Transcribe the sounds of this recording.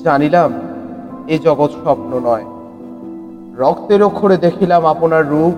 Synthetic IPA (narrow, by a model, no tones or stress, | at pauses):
anilam | ed͡ʑɔɡot̪ʃɔpnonɔe | ɾɔkʰt̪eɾokʰoɾed̪ekʰilamaponaɾːu